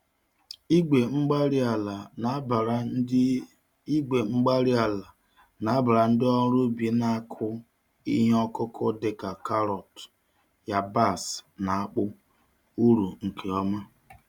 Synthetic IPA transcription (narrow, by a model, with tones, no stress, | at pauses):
e˨ŋ͡m̩˦ɡ͡ba˦ɾi˦a˨la˨˦ | ɡe˨ŋ͡m̩˦ɡ͡ba˦ɾi˦a˨la˨ | na˨a˦ba˨ɾa˨n̩˦dɪ˦ɔ˦ɾu˦bi˨na˦a˦kʰʊ˦ | ḭ˦ɦe˦ɔ˦kʊ˦kʰʊ˦dɪ˦ka˨ka˦ɾɔ˨t | ja˦ba˦˨sna˨a˦k͡pʊ˦ | u˦ɾu˨ŋ̩˨kʰe˨ɔ˦ma˦